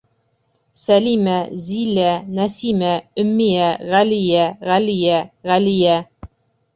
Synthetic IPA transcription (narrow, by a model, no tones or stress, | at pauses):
sælimæzilænæsimæɵ̆mːijæʁælijæʁælijæʁælijæ